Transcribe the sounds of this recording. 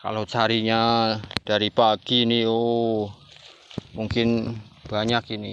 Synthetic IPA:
ka̰lot͡ʃaɾiɲad̥aɾipaɡ̥inioʔo | muŋkɪn | b̥aɲakini

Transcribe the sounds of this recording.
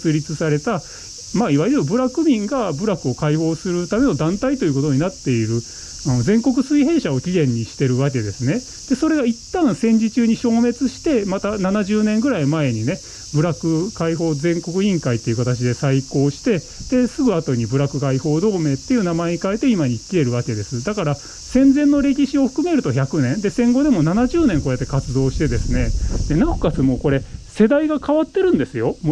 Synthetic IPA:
t͡sɨɾʲit͡sɨsaɾe̞t̪a | maːiβaiɾɯɯbɯ̟ɾakɯ̟mʲĩŋɡabɯ̟ɾakɯ̟o̞kaiho̞ːsɨɾɯ̟t̪ame̞no̞d̪ãnt̪ait̪o̞jɯ̟ko̞t̪o̞ɲ̟inat̪ːe̞iɾɯ̟ | anozẽ̞ŋko̞k̬ɯ̟sɨiɦẽ̞ɰ̃ɕao̞kʲiɡẽ̞ɲ̟ːiɕi̥t̪e̞ɾɯ̟βake̞d̪e̞sɨne̞ | d̪̥e̞so̞ɾe̞ɡait̪ːãɰ̃sẽ̞ɲ̟d͡ʑit͡ɕɨːɲ̟iɕo̞ːme̞t͡sɨɕi̥t̪e̞mat̪ananaʑɨːnẽ̞ŋɡɯ̟ɾaimae̞ɲ̟ine̞ | bɯ̟ɾakɯ̟kaiɦo̞ːzẽ̞ŋko̞kɯ̟ĩŋkait̪ːe̞iɯ̟kat̪at͡ɕid̪e̞saiko̞ːɕi̥t̪e̞ | d̪̥e̞sɨɡɯ̟at̪o̞ɲ̟ibɯ̟ɾakɯ̟kaiho̞ːd̪o̞ːme̞ːt̪ːe̞jɯ̟namaeɲ̟ikae̞t̪ːe̞imaɲ̟ikʲːie̞ɾɯ̟βake̞d̪e̞sɨd̪akaɾa | sẽ̞nd͡zẽ̞nːo̞ɾe̞kʲiɕio̞ɸɯ̟̥kɯ̟me̞ɾɯ̟t̪o̞çakɯ̟nẽ̞nd̪e̞sẽ̞ŋɡo̞d̪e̞mo̞nanaʑɨːnẽŋkoːjat̪ːe̞kat͡sɨd̪o̞ːɕi̥t̪e̞d̪e̞sɨne̞d̪̥e̞nãokat͡sɨmoːko̞ɾe̞se̞d̪aiɡakaβat̪ːe̞ɾɯ̟̃nd̪e̞sɨjo̞m

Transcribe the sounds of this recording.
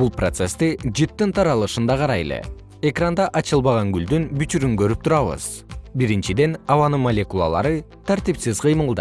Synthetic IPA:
bulˠpro̞t̪se̞st̪id͡ʒit̪ːint̪ʰɑɾɑlˠɯʃɯnd̪ɑqʰɑɾɑjḛlḛ | e̞krand̪ɑʔɑt͡ʃɯlˠβɑʁɑŋɡyld̪ynbyt͡ʃyɾyŋkø̞ɾyp̚t̪ʰuɾɑβɯ̰z̥ | biɾint͡ʃid̪e̞nɑβɑnɯnmolʲe̞kulˠa̰lˠɑ̰ɾɯ | t̪ʰæɾt̪ipsizqʰɯjmɯlˠd̪ɯ

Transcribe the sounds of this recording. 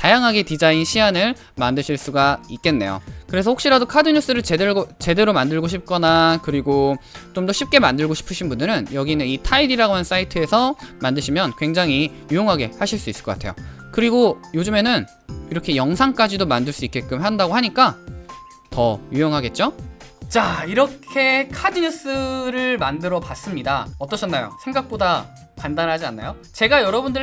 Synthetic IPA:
tajaŋɦaɡe̞tid͡ʑainɕʰianɯɭ | mandɯɕʰiɭs͈uɡaik͈̚e̞nːe̞̰jo̰kɯɾe̞s̬ʰʌɸokɕ͈iɾadokʰadɯɲus͈ɯɾɯt͡ɕe̞deɭɡot͡ɕe̞de̞ɾomandɯɭɡoɕʰip̚k͈ʌnakɯɾiɡot͡ɕomdʌɕʰip̚k͈e̞mandɯɭɡoɕʰi̥pʰɯɕʰinbundɯɾɯnjʌɡinɯnitʰaidiɾaɡoɦans͈aitʰɯe̞sʰʌmandɯɕʰimjʌnkwe̞ŋd͡ʑaŋɦi | jujoŋɦaɡe̞haɕʰiɭs͈uis͈ɯ̥ɭkʌk͈atʰe̞̰jo̰ | kɯɾiɡojod͡ʑume̞nɯn | iɾʌkʰe̞jʌŋsʰaŋk͈ad͡ʑidomandɯɭs͈uik͈e̞k͈ɯmɦandaɡoɦaɲik͈a | tʌjujoŋɦaɡe̞t̚t͡ɕ͈ot͡ɕaiɾʌkʰe̞kʰad͡ʑiɲis͈ɯɾɯɭmandɯɾʌpas͈ɯmɲidaʌt͈ʌɕʰʌnːajo̰sʰe̞ŋɡak̚p͈oda | pandanɦad͡ʑianːajo | t͡ɕe̞ɡajʌɾʌbundɯɭ

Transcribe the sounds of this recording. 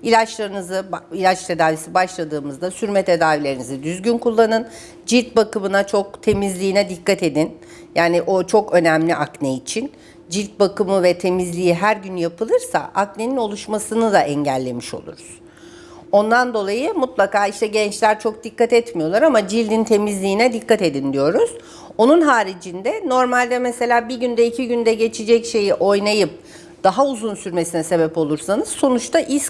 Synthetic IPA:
ilʲat͡ʃlˠaɾɯnɯzɯilʲat͡ʃt̪ʰed̪aːvisibaʃlˠad̪ɯːmɯzd̪asyɾmɛt̪ʰe̞d̪aːvilʲe̞ɾinizid̪yzɟynkulˠːanɯn | d͡ʒiɾʲt̪̚bakɯmɯnat͡ʃʰo̞k̚t̪ʰe̞mizlʲiːnɛd̪ikːat̪e̞d̪in | jaːniʔo̞t͡ʃʰo̞kø̞nɛmlʲiʔaknɛit͡ʃʰin | d͡ʒiɾt̪̚bakɯmɯvɛt̪ʰe̞mizlʲijiɦæɾɟynjapɯlˠɯɾsa̰ʔakne̞nino̞lˠuʃmasɯnɯd̪aʔɛɲɟælʲːemiʃo̞̰lˠṵɾuz̥ | o̞nd̪and̪o̞lˠajɯmut̪lˠakaːiʃt̪ʰɛɟɛnt͡ʃlʲæɾt͡ʃʰo̞k̚d̪ikːat̪ɛt̪mijo̞lˠaɾamad͡ʒilʲd̪int̪ʰe̞mizlʲiːnɛd̪ikːat̪e̞d̪ind̪ijo̞ɾuz̥ | o̞nunɦaːɾid͡ʒind̪ɛno̞ɾmalʲd̪ɛmese̞lʲaːbiɟynd̪ɛicʰiɟynd̪ɛɟe̞t͡ʃʰid͡ʒɛcʃe̞jiʔo̞jnajɯp̚ | d̪̥aɦauzunsyɾme̞sinɛse̞bɛpo̞lˠuɾsanɯz̥so̞nut͡ʃt̪ʰaʔis

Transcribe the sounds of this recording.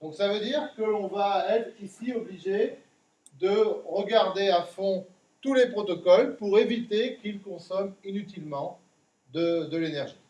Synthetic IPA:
d̪̥ɔ̃ksavød̪iʁkəlɔ̃vaɛt̪χisiɔbliʒe | d̪əʁəɡaʁd̪eafɔ̃ | t̪ulepχɔt̪ɔkɔlpuʁevit̪ekilkɔ̃sɔminyt̪̬ilmɑ̃ | d̪əd̪əlenɛʁʒi

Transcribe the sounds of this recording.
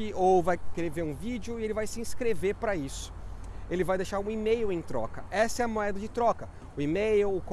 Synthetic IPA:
ɪovajkɾeveɾũvid͡ʒɪʊɪelɪvajsɪĩskɾeveɾpɾɐisʊ̥elɪvajd̪ejʃaɾũimejʊẽj̃t̪ɾɔ̰kɐɛsɐɛɐmoɛd̪ɐd͡ʒɪt̪ɾɔkɐ | ʊimejʊːk

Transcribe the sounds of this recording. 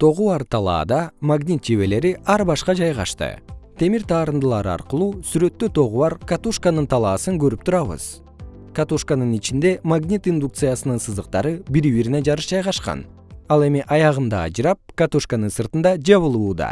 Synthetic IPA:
t̪ʰo̞ʁuɑɾt̪ʰɑlˠɑ̰ːd̪ɑmaɡnʲit̪̚d͡ʒiβe̞le̞ɾiʔɑɾbɑʃqɑd͡ʒɑjʁɑ̰ʃt̪ɯ̰t̪ʰe̞miɾt̪ʰɑːɾɯnd̪ɯlˠɑɾɑ̰ɾqɯlˠuːsyɾø̞t̪ːøt̪ʰo̞ʁuβɑɾkat̪uʃkanɯnt̪ʰɑlˠɑːsɯŋɡøɾyp̚t̪ʰuɾɑβɯ̰z̥ | kat̪uʃkanɯnit͡ʃind̪e̞maɡnʲit̪ind̪uk̚t̪sɨjasɯnɯnsɯzd̪ɯq̚t̪ɑɾɯbiɾiβiɾine̞d͡ʒɑɾɯʃd͡ʒɑjʁɑʃqɑ̰n | ɑlˠe̞miʔɑjɑʁɯnd̪ɑ̰ːd͡ʒɾɑp̚kat̪uʃkanɯnsɯɾt̪ɯnd̪ɑd͡ʒɑβɯlˠuːd̪ɑ̰

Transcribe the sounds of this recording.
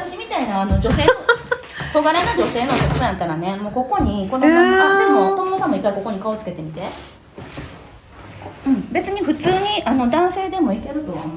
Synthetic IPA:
at̪aɕimʲit̪ainaːno̞d͡ʑo̞se̞ːo | t̪o̞ɡaɾenod͡ʑo̞se̞ːno̞keksojãt̪ːaɾane̞moːko̞ko̞ɲ̟iko̞nomõat̪emot̪omonosãmːoik̪ːaiko̞ko̞ɲ̟ikao̞t͡sɨ̥ke̞t̪e̞mʲit̪e̞ | ɯ̟̃ɴbe̞t͡sɨɲ̟iɸɯ̟t͡sɨːɲ̟iʔano̞d̪ãɰ̃se̞ːd̪e̞mo̞ike̞ɾɯ̟t̪o̞βa̰m

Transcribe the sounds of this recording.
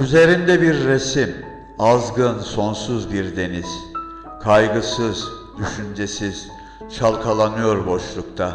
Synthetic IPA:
yze̞ɾind̪ɛbiɾːesim | azɡɯnso̞nsuzbiɾd̪e̞niz̥ | kʰajɡɯsɯz̥ | d̪̥yʃynd͡ʒesiz̥ | ʃalˠkʰalˠanɯjo̞ɾbo̞ʃlˠukt̪ʰa

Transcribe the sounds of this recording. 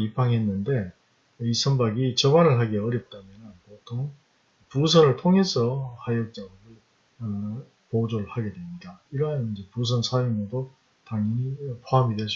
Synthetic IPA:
ipʰaŋɦe̞nːɯnde̞ | isʰʌmbaɡit͡ɕʌbanɯɭɦaɡeʌɾjʌp̚t͈amjʌnɯnpotʰoŋ | pus̬ʰʌnɯɭtʰoŋe̞sʰʌhajʌk̚t͡ɕ͈aɡɾɯɭ | pod͡ʑoɭhaɡe̞dwe̞mɲidaiɾʌanind͡ʑe̞pus̬ʰʌnsʰajumedo | taŋipʰoɦamidwesʰ

